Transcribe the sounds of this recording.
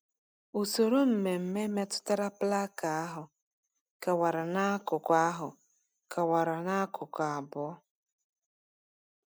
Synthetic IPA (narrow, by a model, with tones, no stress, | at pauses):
u˨so˨ɾo˦m̩˨me˨m̩˨me˦me˦tʊ̥˦ta˦ɾa˦pla˦ka˨a˦ɦʊ˨ | ka˨wa˨ɾa˨na˦kʊ˨kʷa˦ɦʊ˨ | ka˨wa˨ɾa˨na˦kʰʊ˨ka˨a˨bʊ˦ɔ˦